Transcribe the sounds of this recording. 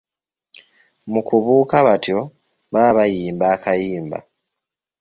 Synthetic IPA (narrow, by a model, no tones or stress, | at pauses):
mukuβuːkaβatjo̞ | βaβaβajiːmbaːkajiːmba̰